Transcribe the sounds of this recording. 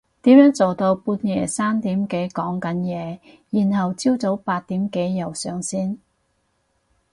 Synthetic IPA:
t̪iː˨˥mjœː˨˥ŋt͡so˨wt̪o˧wpuː˧tjɛː˨˩saː˥mt̪iː˨˥mke˨˧˥jkɔː˨˥ŋkɐ˨˥njɛː˨˧ | jiː˨˩nhɐ˨wt͡siː˥wt͡so˨˥wpaː˧t̚t̪iː˨˥mke˨˥jːɐ˨˩wsœː˨ŋsiː˥n

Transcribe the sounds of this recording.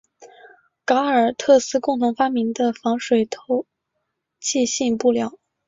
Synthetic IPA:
ka˧˥ə˞˨˩t̪ʰɤ˥˩sɹ̩˥˧kʊ˥˩ŋt̪ʰʊ˧˥ŋfa˥mi˧˥nd̪ə˧fɑ˧˥ŋʂwe˨˩ɪt̪ʰo˧˥ʊ | t͡ɕʰi˥˧ɕi˥˧npu˥˩ljɑ˥˩ʊ

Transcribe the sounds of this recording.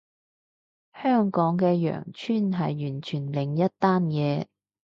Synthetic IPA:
hœː˥˩ŋkɔː˨˥ŋkɛː˧jœ̰ː˨˩ŋt͡ʃʰyː˥˨nɦɐ˨jːyː˨˩nt͡ʃʰyː˨˩nlɪ˨˩ŋjɐ˥t̚t̪aː˥njɛː˨˧

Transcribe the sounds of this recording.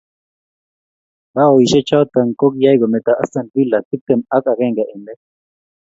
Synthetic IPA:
ba˦o˨i˨ʃɛ˦t͡ʃʰa˦wt̪a˨ŋko˦k̬i˦ja˦i˦kɔ˨mɛ˨t̪a˨ʔa̰˦sa˨ni˦la˨si˦p̚t̪ɛ˨ma˦ka˨kɛ˦ŋɡa˨ʔɛ˨nɛ˦

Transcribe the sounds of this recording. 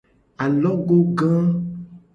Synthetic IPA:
a˨lɔ˦ɡo˦ɡã˦

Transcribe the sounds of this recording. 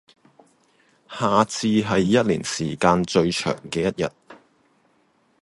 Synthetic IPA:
haː˨t͡sʰiː˧ɦɐ˨jːɐ˥t̚lḭː˨˩nsiː˨˩kaː˧nt͡ʃɵ˧ɥt͡ʃʰœ̰ː˨˩ŋkɛː˧jɐ˥t̚jɐ̰˨t̚

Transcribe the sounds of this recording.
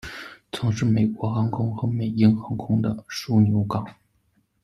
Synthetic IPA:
t͡sʰɤ˧˥ŋʂɻ̩˥˩me˨˩ɪkwɔ˧˥xa˧˥ŋkʰʊ˥ŋxɤ˧˥me˨˩ɪi˥nxɤ˧˥ŋkʰʊ˥ŋd̪ə˨ʂu˥njo˧˥ʊkɑ˨˩˦ŋ

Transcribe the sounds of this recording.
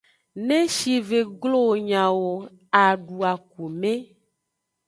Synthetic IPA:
nẽ˦ʃi˨ve˨ɡlo˦˨ɲã˨wo˨ | a˨ɖu˨a˨ku˨mẽ˦

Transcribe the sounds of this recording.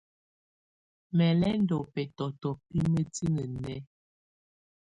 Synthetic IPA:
mɛ˨lɛ˦n˦dɔ˨pɛ˨tɔ˨tɔ˨pi˦mə˦ti˦ŋə˨nɛ˦

